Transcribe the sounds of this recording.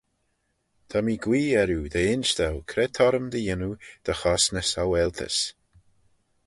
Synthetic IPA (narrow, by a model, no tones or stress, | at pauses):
t̪ʰamiːɡwiːɛɾjuːd̪əɪnʃd̪awkʰɾɛt̪ʰɔɾəmd̪əjɪnud̪̥əxɔsnəsawɛlt̪ʰə̰s